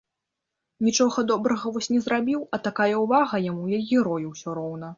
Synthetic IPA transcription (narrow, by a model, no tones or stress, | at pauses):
nʲit͡ʂɔɣɐd̪ɔbɾɐɣɐvɔsʲnʲɛzrabʲiwɐt̪akajɛwvaɣɐjamujajʲiɾɔjiwsʲɔɾɔwnɐ